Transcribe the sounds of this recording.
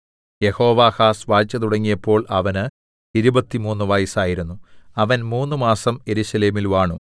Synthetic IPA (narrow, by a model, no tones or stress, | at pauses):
je̞ho̞ːʋaːhaːsʋaːt͡ɕːɐt̪uɽɐŋːijɐpːo̞ːɭʔɐʋɐnɨ | iɾubɐt̪ːimuːnːuʋɐjisaːjiɾunːuɐʋɐnmuːnːumaːsɐme̞ɾuɕɐle̞ːmilʋaːɳu